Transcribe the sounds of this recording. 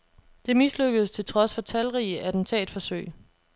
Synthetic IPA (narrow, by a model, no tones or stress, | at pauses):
d̥e̝misløɡ̥əð̩ˠst͡sʰe̝lt͡sʰʁɒ̽sfɒ̽t͡sʰælʁiəʔæd̥n̩t͡sʰɛ̰ːd̥fɒ̽søɪ̰